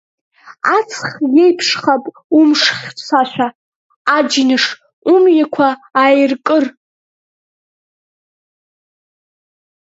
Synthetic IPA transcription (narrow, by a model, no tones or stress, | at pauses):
at͡sʰχjejpʰʂχapʼ | umʂχʲt͡sʰaʃʷᶣaː | d͡ʒinɨʂ | umjakʷʰaajrkʼɨr